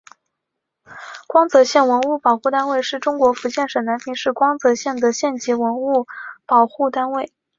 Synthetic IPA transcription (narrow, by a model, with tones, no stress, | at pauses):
kwɑ˥ŋt͡sɤ˧˥ɕjɛ˥˩nwə˧˥nu˥˩pɑ˨˩ʊxu˥˩t̪a˥nwe˥˧ɪʂɻ̩˥˩ʈ͡ʂʊ˥ŋkwɔ˧˥fu˧˥t͡ɕjɛ˥˩nʂɤ˨˩na˧˥npʰi˧˥ŋʂɻ̩˥˩kwɑ˥ŋt͡sɤ˧˥ɕjɛ˥˩nd̪ə˩ɕjɛ˥˩nt͡ɕi˧˥wə˧˥nu˥˩pɑ˨˩ʊxu˥˩t̪a˥nwe˥˩ɪ